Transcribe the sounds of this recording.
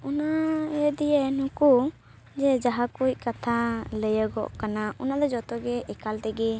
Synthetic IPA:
unaɛd̪ɛjənũku | d͡ʒɛd͡ʒaɦakuc̚kat̪ʰaləjəɡɔ̰ʔkanaunad̪ɔd͡ʒɔt̪ɔɡɛʔɛkalt̪ɛɡɛ

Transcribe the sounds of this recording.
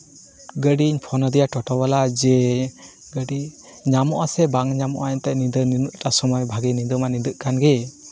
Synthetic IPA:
ɡəɖiɲpʰɔnɔd̪ijaʈɔʈɔbalad͡ʒɛ | ɡəɖi | ɲamɔʔasɛbaŋɲamɔ̰ʔat̪ɛʔnid̪əninuʔʈasɔmɔjbʱaɡinid̪ɔmanid̪əʔkanɡɛ

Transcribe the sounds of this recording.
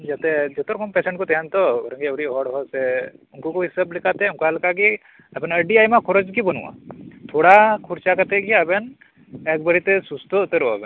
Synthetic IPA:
d͡ʒat̪ɛd͡ʒɔt̪ɔɾɔkʰɔmpɛsɛɳʈkɔt̪ɛɦant̪ɔɡɔɾɔ̃ŋɡiɾiɦɔɽɦɔsɛunkɔkuɦisəblikʰat̪ɛuŋkalkaɡi | abɛnəɾɖiajmakʰɔɾod͡ʒkibɔnṵʔa̰t̪ʰoɽakʰuɾt͡ʃakat̪ɛɡiabɛn | ɛk̚bəɾit̪ɛsust̪ɔut̪eɾɔa̰bɛn

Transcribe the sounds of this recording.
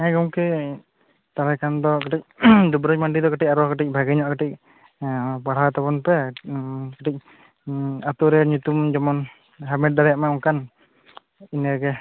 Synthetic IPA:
ɛɡɔmkɛ | t̪aɾɛkand̪ɔkaʈic̚d̪ubɾɔd͡ʒmaɳɖid̪ɔkaʈic̚aɾɔkaʈic̚ˀbʱaɡɛɲɔʔkəʈic̚ | baɽ̤at̪abɔnpɛ | kəʈic̚ | at̪uɾɛɲut̪umd͡ʒɔmɔn | ɦamɛʈ̚d̪aɾɛjaʔmaɔŋkan | inɛɡɛ

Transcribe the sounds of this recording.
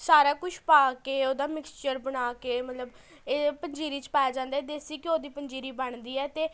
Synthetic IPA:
saːɾaːkʊt͡ʃʰpaːkeːoːd̪aːmɪkst͡ʃəɾbəɽaːkeːmət̪ləb | eːpəɲd͡ʒiːɾiːt͡ʃpaːjaːd͡ʒãːnd̪aːɛːd̪eːsiːkɪoːd̪iːpəɲd͡ʒiːɾiːbəɳd̪iːɛːt̪eː

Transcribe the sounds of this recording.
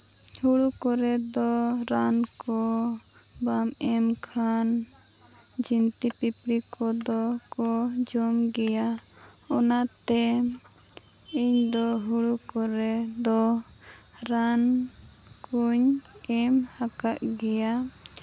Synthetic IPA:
huɽukɔɾɛd̪ɔɾankɔ | bamɛmkʰan | d͡ʒint̪ipipɾikɔd̪ɔkɔd͡ʒɔmɡɛja | ɔnat̪ɛ | iɲd̪ɔɦuɽukɔɾɛd̪ɔ | ɾan | kuɲ | ɛmhakaʔɡɛja

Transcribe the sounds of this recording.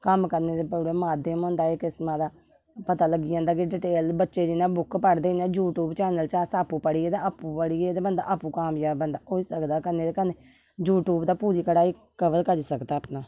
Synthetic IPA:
kəmkəɾneːd̪eːpuːɾeːmaːd̪əmɦõːnd̪aːeːkɪsmãːd̪aː | pət̪aːləɡiːãːnd̪aːk̬ɪɖɪʈeːlbətːʃeːd͡ʒɪnãːbʊkpəɽd̪eːinẽːd͡ʒuːʈuːbt͡ʃɛːnəlt͡ʃaːsaːpũːpəɽiːeːd̪aaːpupəɽied̪eːbənd̪a̰ːʔaːpũːkaːmjaːbənd̪aːoːiːsəkd̪aːkəɾneːd̪eːkəneː | d͡ʒuːʈuːbd̪aːpuːɾiːkəɽaːiː | kəʋəlkəd͡ʒsəkd̪aːəpnaː

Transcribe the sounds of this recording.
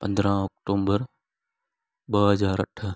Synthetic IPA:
pɐ̃nd̪ɾãːɔːkʈoːbəɾ | ɓəɦəzaːɾəʈʰə

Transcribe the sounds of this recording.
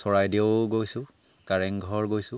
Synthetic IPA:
sɔɹajdiɡojsʊ̃ | kaɹɛŋɡʱɔɹɡojsʊ̃

